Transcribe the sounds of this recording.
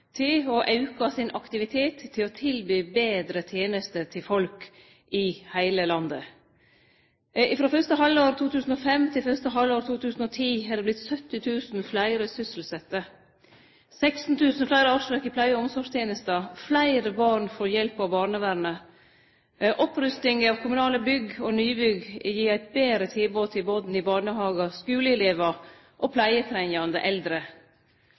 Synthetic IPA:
t̪ʰɪlɔʔɑʉkɑsɪnʔɑkt̪ɪʋɪt̪ʰeːt̪ʰːɪlɔt̪ʰɪlbyːbeːd̪ɾət̪ʰjeːnəst̪əɾt̪ʰɪfɔlk | ɪhæɪləlɑnd̪ə̰ | ɪfɾoːfœɾst̪əɦɑloːɾt̪ʰuːt̪ʰʉːsn̩ɔfɛmt̪ʰɪlfœst̪əɦɑlːoːɾt̪ʰuːt̪ʰʉːsn̩ɔt̪ʰiːhɑləblɪt̪sœt̪ːɪt̪ʰʉːsn̩flæɪɾəsʏsl̩sɛt̪ːə | sɛɪkst̪n̩t̪ʰʉːsn̩flæɪɾəɑːʂɾɛkɪpʰlæɪəɔmsɔʂt̪ʰjeːnəst̪ɑflæɪɾəbɑːɳfoːɾjɛlpɑʋbɑːɳəʋæɾnə | ʔɔpɾʉst̪ɪŋəɑːʋkʰʊmʉnɑːləbʏɡonyːbʏɡjiːɾæɪt̪̚beːɾət̪ʰɪlboːt̪ʰɪboːd̪n̩ɪbɑːɳəhɑːɡɑskʉːləɪleːʋɑ | ʔoːpʰlæɪət̪ʰɾænɑnd̪ə̰ʔɛld̪ɾə

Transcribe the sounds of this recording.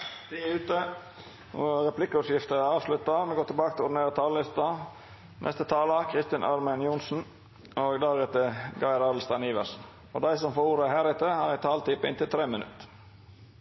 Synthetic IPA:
d̪̥iʉːt̪ə | ʋoɾɛplɪkːəɔsjɪft̪əɑːʋslʉt̪ːɑmɛɡoːt̪ʰɪbɑːkət̪ʰɪlʊɖneːɾɑt̪ʰɑːləlɪst̪ɑ | nʔɛ̰st̪ət̪ʰɑːlɑkʰʁɪst̪ɪnʔɑ̰ɾmənjʊnsn̩ | oɡd̪ɑːɡɛt̪əɡɑɪɾɑːd̪lst̪ɑniːʋəɾsn̩ | ɔ̰d̪æɪsɔmfoːɾuːɾəhæːɾɪt̪əhɑɾæt̪ʰɑːlt̪ʰɪpːɪnt̪ɪlt̪ʰɾeːmənʉ̰t̪ːə̥

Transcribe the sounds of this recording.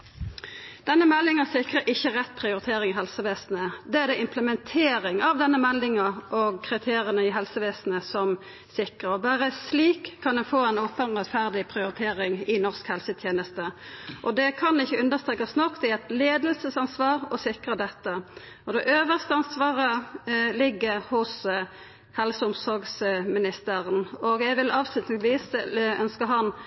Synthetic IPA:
d̪̥ɛnːəmɛlːɪŋəsɪkʁəʔɪçːəʁɛt̪̚ːpʰʁɪʊɾɪt̪ʰeːʁɪŋɪɦɛlsəʋeːsn̩əd̪ɛæʁd̪ɛɪmpʰləmɛnt̪ʰeːɾɪŋɑʋd̪ɛnːəmɛlːɪŋəʔɔɡkʰʁɪt̪ʰeːɾɪənəɪɦɛlsəʋeːsnəsɔm | sɪkʁəʁɔbæːʁəsliːkʰːɑnd̪ɛfoːɛnoːpənʁɛt̪fæʁd̪ɪpʰʁɪʊɾɪt̪ʰeːʁɪŋɪnɔʁskhɛlsət̪ʰjeːnəst̪əʔɔd̪ɛkʰɑnɪçːəʉnd̪əʁst̪ʁeːkɑsnɔkt̪ɛɛt̪leːd̪əlsəsɑnsʋɑːʁɔsɪkʁəd̪ɛt̪ːə | ɔd̪ɛʔøːʋəʁst̪əɑnsʋɑːʁəlɪɡːəʁhʊs | hɛlsəʊmsɔʁɡsmɪnɪst̪əʁənɔɡɛɡʋɪlɑːʋslʉt̪nɪŋsʋiːsœ̰nskəɦɑn

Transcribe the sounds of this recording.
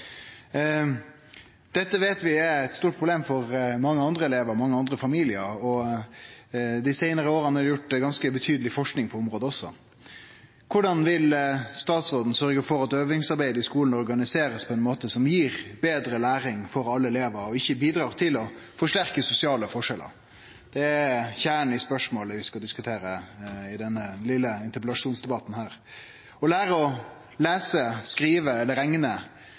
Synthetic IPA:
d̪̥ɛt̪ːəʋeːt̪ʋɪɛɾɛt̪st̪uːʈ̚pʰʁʊbleːmfɔɾmɑŋːəɑnd̪ɾəɛleːʋəɾɔmɑŋːəɑnd̪ɾəfɑmiːlɪəɾɔ | d̪ɪsæɪnəɾəoːɾənɑɾjʊʈːɡɑnskəbət̪ʰyːd̪əlɪfɔʂknɪŋpʰɔʊmɾoːd̪əɔsːɔ̰ | kʰʊɖɑnʋɪlst̪ɑːt̪sʁoːd̪n̩sœɾɡəfɔɾɑt̪øːʋnɪŋsɑɾbæɪd̪əɪskuːln̩ɔɾɡɑnɪseːɾəspʰɔɛnmoːt̪əsɔmjiːɾbeːd̪ɾəlæːɾɪŋfɔɾɑlːəɛleːʋəɾɔɪçːəbiːd̪ɾɑːʁt̪ʰɪlɔ | fɔʂʈæɾkəsʊsɪɑːləfɔʂɛlʔə̰ɾ | d̪̥ɛæçæːəɳɪspœʂmoːləʋɪskɑld̪ɪskʉt̪ʰeːɾəɪd̪ɛnːəlɪlːəɪnt̪əɾpɛlɑʂuːnsd̪ɛbɑt̪n̩hæːɾ | ɔlæːɾəɔ | læːsəskɾiːʋəɛlːəɾɛŋnə

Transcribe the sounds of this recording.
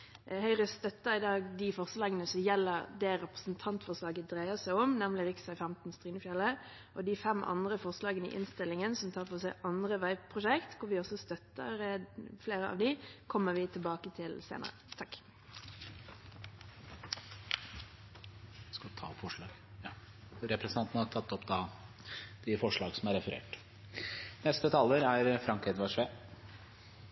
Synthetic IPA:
hœʏʁəst̪œt̪ːəɾɪd̪ɑːɡd̪ifɔʁslɑːɡənəsɔmjɛlːəʁd̪ɛːɾɛpʁə̥snt̪ʰɑnt̪fɔʁslɑːɡəd̪ʁæɪəsæɪɔmnɛmlɪɾɪksɑɪfæmt̪n̩st̪ɾiːnəfjɛlə | ʔɔd̪ifɛmʔɑ̰nd̪ʁəfɔʁslɑːɡənəɪ̰ʔɪ̰nst̪ɪlːɪŋənsɔmt̪ʰɑːʁfɔsæɪʔɑnd̪ʁəʋæɪpʰʁʊʃɛkt̪kʰʊɾʋɪɔsɔst̪œt̪ːə̰ɾəfleːɾəɑ̰ːʋd̪ɪkʰɔmːəʋɪt̪ʰɪlbɑːkət̪ʰɪlsḛːnə̰ɾə̰t̪ʰɑkː | skɑt̪ʰɑ̰ːpfɔʂɭɑ̰ːɡ | ɾɛpɾɛsnɑnt̪n̩hɑɾt̪ʰɑt̪ːɔpd̪ɑ | d̪̥ɪfɔʂɭɑːɡsɔmæɾɛfəɾḛːʈ | nɛst̪ət̪ʰɑːlːəɾæɾfɾɑŋkɛd̪ʋɑʂʋeː

